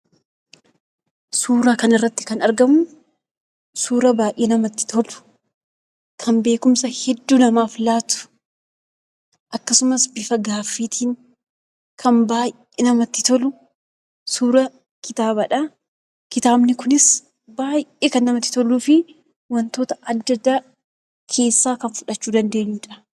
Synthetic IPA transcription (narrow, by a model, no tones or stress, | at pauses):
suːɾaːkɐnɪrːɐt̪ːɪ̥kɐnɐɾɡɐmʊ | suːɾɐbaːʔeːnɐmɐt̪ːɪ̥t̪ʰɔlʊ̥ | kʰɐnbe̞ːkʊmsɐhɛd̪ːuːnɐmaːflaːt̪ʊ̥ | ʔɐkːɐsʊmɐsbɪfɐɡaːfːiːt̪ʰiːŋ | kʰɐnbaːjʔ | enɐmɐt̪ːɪt̪ɔlʊ | suːɾɐ | kɪt̪aːbɐᶑɐ | kɪt̪aːbnɪkʊnɪs | baːjʔeːkɐnːɐmɐt̪ːɪ̥t̪ɔluːfɪ | wɐnt̪o̞ːt̪ɐɐd̪ːɐd̪ːaː | kʰe̞ːsːaːkɐnfʊᶑɐt͡ʃːuːd̪ɐnd̪e̞ːɲːuːᶑɐ̥